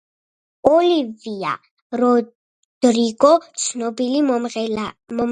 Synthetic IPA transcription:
ɔlivia̰ | ɾɔ | d̪̥ɾiɡɔt̪sʰnɔbili

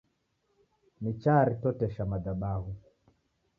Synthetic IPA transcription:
mit͡ʃaɾitɔtɛʃamadaɓaɦu

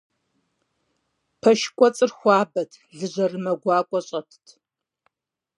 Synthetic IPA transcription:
pʰɐʃkʷʼɔt͡sʼɨrxʷɑːbɐtʰɮɨʑɐrɨmɐɡʷɑːkʷʼɔɕʼɐtʰtʰ

